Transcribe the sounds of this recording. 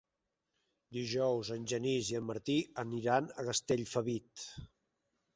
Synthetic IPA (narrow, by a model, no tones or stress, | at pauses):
d̪iʒɔwzənʲʒəniziəmːəɾt̪iəniɾanəɣəst̪eʎfəβit̪